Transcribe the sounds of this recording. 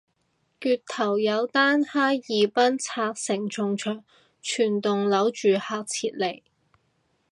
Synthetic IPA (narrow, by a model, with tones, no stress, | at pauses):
kyː˧tt̪ʰɐ˨˩wjɐ˨˧wt̪aː˥nhaː˥jjiː˨˧pɐ˥nt͡sʰaː˧k̚sɪ˨˩ŋt͡sʰʊ˨˧ŋt͡ʃʰœː˨˩ŋ | t͡ʃʰyː˨˩nt̪ʊ˨ŋlɐ˨˥wt͡ʃyː˨haː˧k̚t͡sʰiː˧t̚le˨˩j